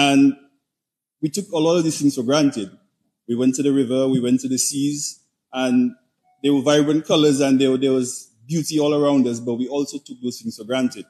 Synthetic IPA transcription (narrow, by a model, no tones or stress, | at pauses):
ə̃n | witʊkəlɔɾʌvðisθɪ̃ŋz̥fəɡɹãntɪd̚ | wiwɛ̃ntːɨðɨɹɪvə˞wiwɛ̃ntɨðɨsiz | ə̃n | ðewəvaɪbɹɨ̃nkʰʌlə˞zɨ̃nðəðəwʌz | bjutiɔləɹãʊ̃ndʌs̬bʌt̚wiɔlˠsoʊtʰʊk̚ðoz̥θɪ̃ŋz̥fəɡɹãntɪd̥̚